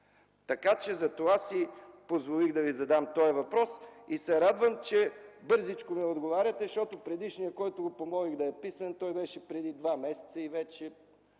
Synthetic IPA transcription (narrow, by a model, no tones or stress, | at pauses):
t̪ɐkat͡ʃɛzɐt̪ovasipozvoliɣd̪ɐvizɐd̪amt̪ɔjəvɐpɾɔsisɛɾad̪vəmt͡ʃɛbɤɾzit͡ʃkʊmiɛod̪ɡovaɾʲɐt̪ɛʃɔt̪opɾɛd̪iʃnijəkɔjt̪ʊɡopomɔliɣd̪ɐɛpismɛnt̪ɔjbɛʃɛpɾɛd̪id̪vamɛsɛ̥t̪sɐivɛt͡ʃɛ